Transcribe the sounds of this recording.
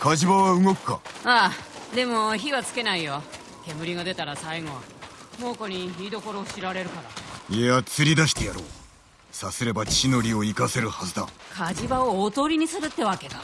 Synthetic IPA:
kaʑibaβaɯ̟ɡo̞kɯ̟̥ka̰ad̪e̞mo̞çiβat͡sɨ̥ke̞naijo | ke̞mɯ̟ɾʲiɡad̪e̞t̪aɾasaiŋo̞mo̞ːkoɲ̟iiːd̪o̞ko̞ɾo̞ːɕiɾaɾe̞ɾɯ̟kaɾaeat͡sɨɾʲid̪aɕi̥t̪e̞jaɾoː | sasɨɾe̞bat͡ɕi̥t͡ɕino̞ɾʲio̞ikase̞ɾɯ̟hazɨd̪a̰kʰaʑibaooːt̪o̞ːɾʲiɲ̟isɨɾɯ̟t̪ːe̞βake̞ɡa

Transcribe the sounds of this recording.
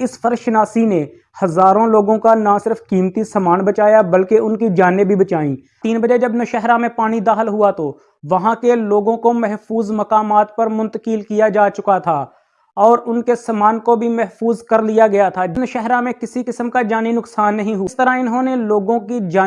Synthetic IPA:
ɪsfɐɾʃnaːsine | hɐzaːɾõloːɡõkanãsɪɾəfkiːmt̪isamaːnbɐt͡ʃaːjabɐlkeʊnkid͡ʒaːnebʱibɐt͡ʃaːĩː | t̪iːnbɐd͡ʒed͡ʒɐbnoʃɛɦɾãmẽpaːɽ̃id̪aːxɪlɦʊat̪o | ʋɐɦãkeloːɡõkomɛɦfuːzmɐkaːmaːt̪̚pɐɾmʊ̃nt̪əkɪlkijad͡ʒaːt͡ʃʊkat̪ʰaː | ɔːɾʊnkesamaːnkobʱimɛɦfuːzkɐɾlijaɡɐjat̪ʰad͡ʒnəʃɛɦɾãmẽkɪsikɪsəmkad͡ʒaːninʊksaːnːɐɦĩɦʊst̪əɾaɪnɦõneloːɡõkid͡ʒaː

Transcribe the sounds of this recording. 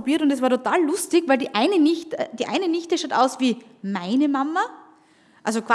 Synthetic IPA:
obiːɐtʊntɛs̬vaɐtʰotaːlːʊstɪçvæɪldiːʔaɪnənɪçtd̥iːʔa̰ɪnənɪçtəʃaːtʔa̰ʊsviː | maɪnəmamɐ | ʔalzokv̥a

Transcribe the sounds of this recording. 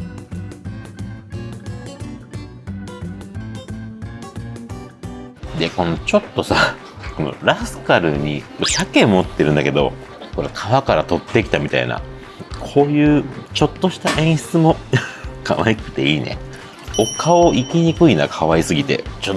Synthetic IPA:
d̪e̞ko̞no̞t͡ɕo̞t̪ːo̞sa | ko̞no̞̰ɾasɨ̥kaɾɯ̟ɲ̟ḭsake̞mːo̞t̪ːe̞ɾɯ̟̃nd̪ake̞d̪o̞̰ | ko̞ɾekʰaβakaɾat̪o̞t̪ːe̞kʲi̥t̪amʲit̪a̰ḭna̰ | kʰo̞ːjɯ̟ːt͡ɕo̞t̪ːo̞ɕi̥t̪aʔẽ̞ɰ̃ɕi̥t͡sɨmo̞kʰa̰βaikɯ̟̥t̪e̞iːnḛ | o̞kʰaoikʲiɲ̟ikɯ̟inakʰaβaisɨɡʲit̪e̞̰t͡ɕo

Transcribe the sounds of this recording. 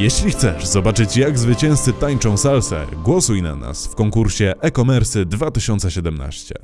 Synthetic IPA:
jɛɕlʲixt̪sɛʂzɔbat͡ʂɘt͡ɕjaɡzvɘt͡ɕɛ̃w̃st̪sɘt̪aɲt͡ʂɔ̃w̃salsɛ̰ɡwɔsujna̰na̰sfkɔŋkuɾɕɛʔɛkɔmɛɾsɘd̪vat̪ɘɕɔnt̪sɛɕɛd̪ɛmna̰ɕt͡ɕɛ̰

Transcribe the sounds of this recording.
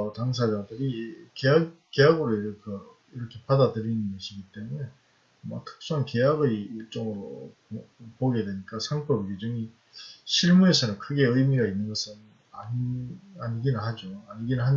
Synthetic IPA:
otaŋs̬ʰad͡ʑadɯɾikeak͈ːe̞jaɡɯɾokʌ | iɾʌkʰe̞padadɯɾinɯnɡʌɕʰiɡit͈e̞mune̞ | ma̰tʰɯ̥k̚s͈uɦanke̞jaɡɯɭt͡ɕ͈ʌŋɯɾo̰ | poɡe̞dwe̞ɲik͈asʰaŋp͈ʌbiked͡ʑʌŋi | ɕʰiɭmue̞sʰʌnɯnkʰɯɡe̞ɯjmiɡainːɯnɡʌsʰɯn | a | aɲɡinɯɭɦad͡ʑoaɲiɡinɯɭɦan

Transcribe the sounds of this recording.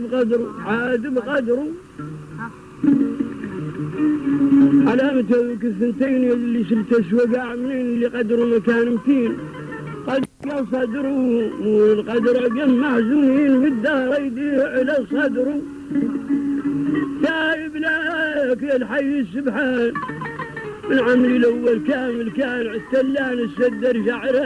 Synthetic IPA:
bqɑd̪ɾuʕad̪əbqɑd̪ɾu | ʕalamət̪ækəsənt̪ejnlːiʃəlt̪æʃwæɡaʕmniːnəlːiqɑd̪ɾumækanmt̪in | qɑd̪ɾkjasˤɑd̪ɾu | lqɑd̪ɾaɡamːaħzumniːnbəd̪ːahɾjd̪iʕlasˤɑd̪ɾu | saːjəblakelħajːisːʊbħaːn | mənʕamlilʔawːalkaːməlkaːnʕat̪ːalːaːnəsad̪ːɑɾʒaʕɾa

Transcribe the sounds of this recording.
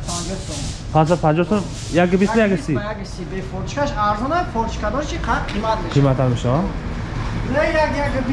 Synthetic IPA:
and͡ʒɔsɔ | pʰãns̬ad̪pʰand͡ʒɔsɔ | jaɡbisnjaɡisiaɡisibefɔɾt̪ʰiʃkʰaʃaɾzɔnafʰɔɾt̪ʃkʰad̪ɔɾt͡ʃʰiqʰaqʰimat̪̚meqʰimat̪ʰanmeʃaa | lejaɡjaɡəb

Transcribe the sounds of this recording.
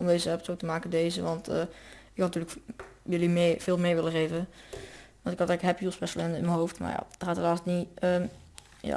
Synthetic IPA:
ʔɔmdejzəɛpətsowktəmaːkədejzəʋɑntə̰ɪkhɑntyːɹləkjølimv̥ɪːlˠmɪːɹʋɪləχejvə | ʋɑntɪkɑtɛkɦɛpjylˠspɛsəlɛndəɪnmənɦowftma̰ɹja̰d̥əχaːtəlaːstniə | ja̰

